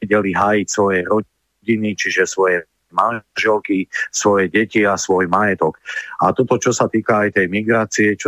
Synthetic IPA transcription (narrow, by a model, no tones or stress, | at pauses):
ɟɛliɦaːjicsʋɔjɛɾɔ | ɟinit͡ʃiʒɛsʋɔjɛ | maʒɛlkisʋɔjɛɟɛciasʋɔjmajɛt̪ɔkat̪ɔt̪ɔt͡ʃɔsat̪iːkaːjt̪ɛjmiɡɾaːt͡siɛt͡ʃ